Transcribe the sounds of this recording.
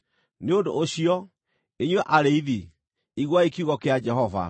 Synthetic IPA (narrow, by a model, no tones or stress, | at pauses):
neodo̰ʔːɕiɔ | eɲweʔaɾeiði | iɣwaekiuɣɔkead͡ʒɛɦɔva̰